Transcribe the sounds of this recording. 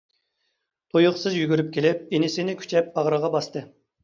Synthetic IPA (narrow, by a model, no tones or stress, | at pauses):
t̪ʰojʊχsɨzjyɡʲyɾyp̚kʲʰelɪp̚enɪsɪnɪkʲʰy̥t͡ʃʰɛp̚bɑʁɾəʁɑbɑst̪ɨ